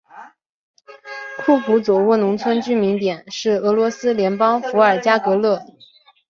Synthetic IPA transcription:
kʰu˥˩xu˧˥t͡swɔ˨˩ʊwu˥˩nʊ˧˥ŋt͡sʰwə˥nt͡ɕy˥mi˧˥ŋt̪jɛ˨˩˦nʂɻ̩˥˩ɤ˧˥lwɔ˧˥sɹ̩˥ljɛ˧˥npɑ˥ŋfu˧˥ə˞˨˩t͡ɕja˥kɤ˧˥lɤ˥˩

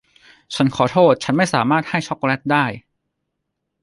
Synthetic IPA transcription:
t͡ɕʰa˦˥nkʰɔː˩˦t̪ʰoː˥˩t̪̚t͡ɕʰa˦˥nma˥˩jsaː˩˦maː˥˩t̪̚ha˥˩jt͡ɕʰɔ˦˥k̚lɛ˦˥t̪̚daː˥˩j

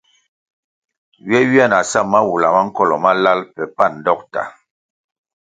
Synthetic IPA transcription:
ɥɛ˦wi˦a˦˨na˨sa˦˨ma˦wu˨la˨ma˦ŋ̩˦kɔ˦lɔ˨ma˦la˦lpɛ˨pa˦˨n̩˨dɔ˦k̚ta̰˨

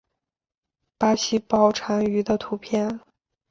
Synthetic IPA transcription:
pa˥ɕi˥˩pɑ˥ʊʈ͡ʂʰa˧˥ŋy˧˥d̪ə˧t̪ʰu˧˥pʰjɛ˥˩n

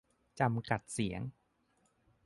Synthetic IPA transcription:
t͡ɕa˧mka˨˩t̪̚si˩˦əŋ

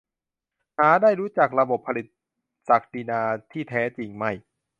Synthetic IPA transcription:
haː˨˩˦daː˥˩jɾuː˦˥t͡ɕa˨˩k̚ɾa˧bo˨˩pʰːa˧li˨˩t̪̚ | sa˨˩k̚di˧naː˧t̪ʰiː˥˩t̪ʰɛː˦˥t͡ɕi˧ŋma˥˩j

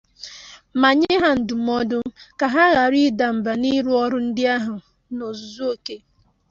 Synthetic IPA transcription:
ma˨ɲɪ˦ɦa˦n̩˨du˨m˦ɔ˦dʊ˦ka˨ɦa˦ɣa˨ɾi˦da˨m̩˨ba˨ni˦ɾu˦ɔ˦ɾʊ˦n̩˦dɪ˦a˦ɦʊ˨ | no˨zu˨zu˦o˨ke˦

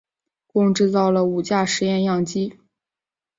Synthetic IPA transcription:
kʊ˥˧ŋʈ͡ʂɻ̩˥˧t͡sɑ˥˩ʊlə˩u˨˩t͡ɕja˥˩ʂɻ̩˧˥jɛ˥˧njɑ˥˩ŋt͡ɕi˥

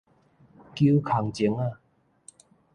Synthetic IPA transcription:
kju˦kʰa˨˩ŋt͡ɕi˨˦ŋa˥˧˨

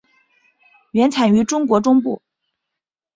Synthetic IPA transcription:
ɥɛ˧˥nt͡sʰa˨˩ny˧˥ʈ͡ʂʊ˥ŋkwɔ˧˥ʈ͡ʂʊ˥ŋpṵ˥˩

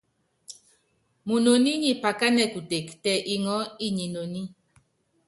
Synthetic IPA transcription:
mu˨no˨ni˦ɲi˨pa˨ka˦nɛ˦ku˨te˨ktɛ˨ʔi˨ŋɔ˨˦i˦ɲi˨no˨ni˦

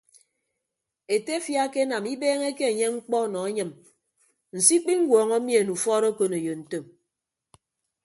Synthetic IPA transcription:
e˨te˦fja˦ke˦na˨mi˦beː˦ŋe˦ke˦e˨ɲe˦ŋ͡m̩˦k͡pɔ˦˨nɔ˨a˦ɲɨ˨m | n̩˨si˦k͡pi˦ŋ̩˦wɔː˨ŋɔ˦mje˨nu˨fɔ˦ɾo˦ko˦ne˨jo˨n̩˨to˦˨m

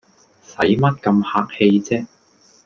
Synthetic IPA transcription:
sɐ˨˥jmɐ˥t̚kɐ˧mhaː˧k̚he˧jt͡sɛː˥

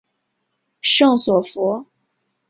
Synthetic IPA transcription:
ʂɤ˥˩ŋswɔ˨˩fɔ˧˥

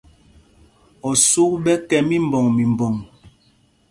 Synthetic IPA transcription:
ɔ˨su˦kbɛ˦kɛ˦mi˦m˨bɔ˨ŋmi˨m˨bɔ˨ŋ

